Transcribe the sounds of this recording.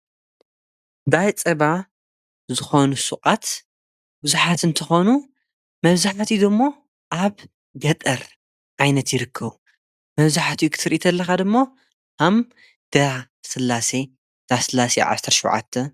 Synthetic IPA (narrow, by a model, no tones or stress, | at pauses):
d̪ajt͡sʼɐβa | zɨxo̞nusuqʼat̪ | bɨzuħat̪ɨnt̪ʰɨxo̞nu | mɐβzaħat̪id̪ɨmːo̞ | ʔaβ | ɡɐt̪ʼɐɾ | ʕajnɐt̪jɪɾɨkʰːɐβu | mɐβzaħat̪ʰjukʰɨ̥t̪ʰɨɾʔit̪ʰɐlːɐxad̪ɨmːo | ham | d̪̥ɐ | sɨlːase | d̪̥asɨlasḛʕa̰sɐɾʃɐwʕa̰t̪ʰːɐ